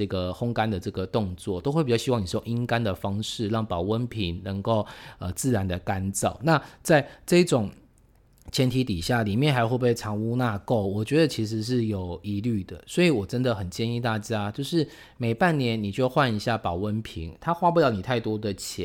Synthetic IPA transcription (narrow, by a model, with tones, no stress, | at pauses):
ə˥˩ɡə˩xʊ˥ŋka˦nd̪ə˨ʈ͡ʂɤ˥˩ɡə˩t̪ʊ˥˧ŋt͡swɔ˥˩t̪o˥ʊxe˥˩pi˨˩jɕi˥wɑ˥˩ŋni˨˩˥o˨ŋi˦˥ŋka˦nd̪ə˨fɑ˥ŋʂɻ̩˥˧ɻɑ˥˩ŋpɑ˨˩ʊwə˦˥npʰi˧˥ŋnə˧˥ŋko˥˩ʊə˨˩t͡sɹ̩˥˩ɻa˧˦nd̪ə˨ka˦nt͡sɑ˥˩ʊna˥˧t͡sa˥˧ɪʈ͡ʂɤ˥˧i˥ʈ͡ʂʊ˨˩ŋ | t͡ɕʰjɛ˧˥nt̪ʰi˧˥t̪i˨˩ɕja˥˩li˨˩mjɛ˥˨nxa˧˥ɪxwu˥˧pe˥˩ɪʈ͡ʂʰɑ˧˥ŋu˥na˥˧ko˥˩ʊwɔ˨˩t͡ɕɥɛ˧˥d̪ə˨˦t͡ɕʰi˧˥ʂ̬ɻ̩˧˦ʂ̬ɻ̩˥˩jo˨˩ʊi˧˥ly˥˩d̪ə̰˩swɔ˧˥i˨˦wɔ˨˩ʈ͡ʂə˦˥nd̪ə˨xə˨˩nt͡ɕjɛ˥˧ni˥˧t̪a˥˩t͡ɕja˦˥t͡ɕjo˥˧ʊʂɻ̩˥˩ | me˨˩ɪpa˥˩˨nnjɛ˧˥nni˨˩t͡ɕjo˥˧ʊxwa˥˩ni˧˥ɕja˥˩pɑ˨˩ʊwə˦˥npʰḭ˧˥ŋt̪ʰa˥xwa˥pu˥˩ljɑ˥˩ʊni˨˩t̪ʰa˥˩ɪt̪wɔ˥d̪ə˨t͡ɕʰjɛ˧˦